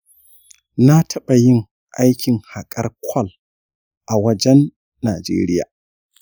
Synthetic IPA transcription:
na˦tʰɐ˦ɓa˨jɪ˦ŋ | ʔa˦jkʲɪ˨ŋha˨kʼɐ˦rkʷʰɔ˦˨l | ʔa˨wɐ˦d͡ʒɛ˦nː | aː˨d͡ʒḛː˦ɾɪ˦ja̰ː˨

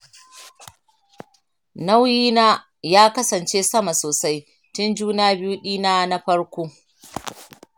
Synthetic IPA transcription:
na˦wjiː˦naː˦ | jaː˦kɐ˦sɐ˨nt͡ʃeː˦sɐ˦ma˨soː˨sa˦j | tʊ˦nd͡ʒuː˦naː˦bɪ˦juː˦ɗiː˦naː˦na˦ɸɐ˦ɽkʷoː˦

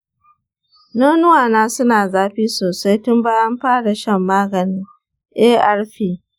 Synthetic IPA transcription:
noː˦nʊ˦waː˨naː˦sʊ˦naː˨zaː˦ɸiː˦soː˨sa˦jtʊ˦mbaː˦jɐ˦mɸaː˦ɽa˨ʃɐ˦˨mːaː˦ɡɐ˨nɪ˦ŋ | ʔeː˦ʔɐ˦ɽɸiː˦

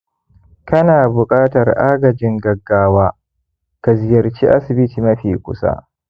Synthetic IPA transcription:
kɐ˦naː˨bʊ˨kʼaː˦tɐ˨rʔaː˦ɡɐ˨d͡ʒɪ˦ŋɡɐ˨ɡːaː˦waː˦ | ka˨zɪ˨jɐ˨rt͡ʃḭ˦ʔa˦sɪ˨bɪ˦tiː˨mɐ˦ɸiː˨kʷʊ̰˦sa̰˦ʔ

